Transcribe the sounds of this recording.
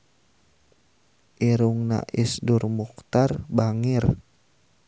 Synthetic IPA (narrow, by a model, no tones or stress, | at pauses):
ʔiɾuŋna̰ʔisdurmuk̚t̪arbaŋir